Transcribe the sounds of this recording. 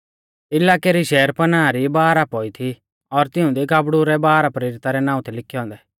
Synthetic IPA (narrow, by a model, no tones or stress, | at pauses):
ɪlaːkeɾiʃɛːɾpɐnaːɾibaːɾapɔːit̪ʰi | ɔɾt̪ɪʊ̃d̪ikaːbɽuɾɛbaːɾapɾeːɾɪt̪aɾɛnãːũt̪ʰɛlɪkʰːjɔ̃ːnd̪ɛ